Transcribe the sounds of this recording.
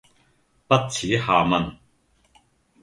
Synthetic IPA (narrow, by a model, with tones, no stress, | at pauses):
pɐ˥t̚t͡sʰiː˨˥haː˨˩mɐ˧n